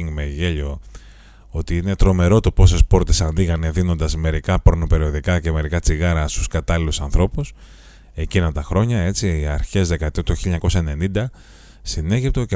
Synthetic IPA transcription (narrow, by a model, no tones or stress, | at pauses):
ŋɡmeʝeʎo̞ | ot̪iine̞t̪ɾo̞me̞ɾo̞t̪o̞po̞se̞spo̞ɾt̪esɐnðiɣɐne̞ðino̞nd̪ɐsme̞ɾikɐpɾono̞pe̞ɾio̞ðikɐce̞me̞ɾikɐt͡siɣɐɾɐst̪u̥skɐt̪ɐlilusɐnθɾo̞pus | e̞cinɐt̪ɐxɾo̞ɲɐe̞t͡siiɐɾçe̞zðe̞kɐt̪ot̪uçiʎɐɲɐko̞sɐe̞ne̞nind̪ɐ | sine̞ʝip̚t̪oce